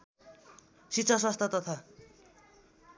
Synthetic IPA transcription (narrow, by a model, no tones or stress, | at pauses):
sit̪sʰʌswʌst̪ʰʌt̪ʌt̪ʰʌ